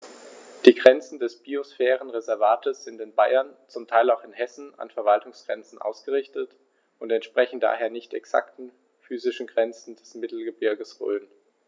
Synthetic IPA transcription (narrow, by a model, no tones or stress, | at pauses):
d̥iːɡʁɛnt͡sn̩dɛsb̥iosfɛːʁ̞ənʁezɛɐvaːtʰəsz̥ɪntɪnbaɪɐnt͡sʊmtʰaɪlaʊχɪnɦɛsn̩a̰nfɛɐvaltʊŋsɡ̥ʁɛnt͡sn̩ʔa̰ʊsɡ̥əʁɪçtət | ʔʊntɛntʃpʁ̥ɛçn̩d̥a̰ːɦeːɐnɪçtɛ̰ksa̰ktn̩ | fyːzɪʃn̩ɡʁɛnt͡sn̩d̥ɛsmɪtl̩ɡəbɪɐɡəsʁø̰ːən